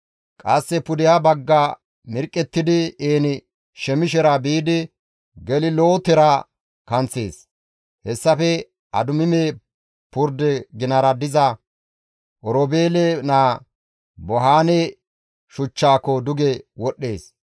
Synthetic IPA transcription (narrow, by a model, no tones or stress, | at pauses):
kʼɐsːɛpʊd̪ɪjabɐɡːa | mɪɾkʼːɛt̪ːɪd̪ɪeːnɪ | ʃɛmɪʃɛɾɐbiːd̪ɪ | ɡɛlɪloːt̪ɛɾɐ | kɐnt͡sːeːs | hɛsːɐfɛ | ɐ̰d̪ʊmɪmeː | pʊɾd̪ɛɡɪnɐɾɐd̪ɪzɐ | ʔɔɾɔbeːlɛnaː | bɔɦaːne | ʃʊt͡ʃːaːkːɔd̪ʊɡɛwɔɗːe̞ːs